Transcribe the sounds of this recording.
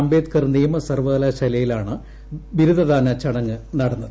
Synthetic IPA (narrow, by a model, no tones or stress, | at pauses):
ɐmbeːt̪kɐrniːmɐsɐrʋɐðɐlɐɕɐlɐjilaːɳɨ | ʋiɾuðɐðaːnɐt͡ɕɐɽɐŋːɨnɐɽɐnːɐðɨ